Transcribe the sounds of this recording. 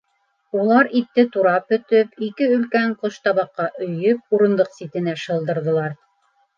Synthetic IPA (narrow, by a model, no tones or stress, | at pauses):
ulˠɑɾit̪ːɘt̪uɾɑp̚ɵ̆t̪ɵpikɘɵ̆lkæɴqoʃt̪ɑβɑqːɑʔɵ̆jɵp̚uɾɤ̆nd̪ɤqsit̪ɘ̆næʃɤ̆lˠd̪ɤ̆ɾðɤ̆lˠɑɾ